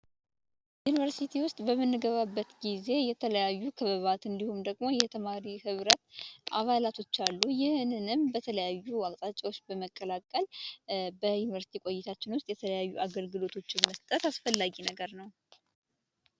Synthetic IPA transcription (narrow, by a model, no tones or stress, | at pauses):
junivəɾsit̪ʰiwʊst̪ʼbəmːɨnːɨɡəβabːət̪ɡize̞jɛt̪ʰələjajːukʰɨβəβat̪ɨnd̪ihumd̪əɡmo̞jɛt̪ʰəmaɾihɨβɾət̪ʔaβalat̪ʰo̞t͡ʃːalːujɪhɨnɨnɨmbət̪ʰələjajːuwakʼt̪ʼat͡ʃʼːawo̞t͡ʃːbəməkʼːəlakʼːəlbəjunivəɾsi̥t̪ʰikʷʼo̞jːɪt̪ʰat͡ʃːɪnwʊst̪ʼjɛt̪ʰələjajːuʔaɡəlɡɨlo̞t̪ʰo̞t͡ʃːɪnməst̪ʼət̪asfəlːaɡinəɡəɾnəw